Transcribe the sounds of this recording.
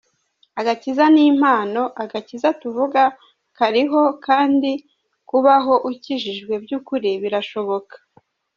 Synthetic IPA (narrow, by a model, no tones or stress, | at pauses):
aɡacizaniːm̥haːno̞ʔaɡacizatuvuɡa | kaɾiɦo̞kʰaːndi | kuβaɦo̞ʔuciʒiʒɡwe̞bjuːkuɾiβiɾaʃo̞βo̞kḁ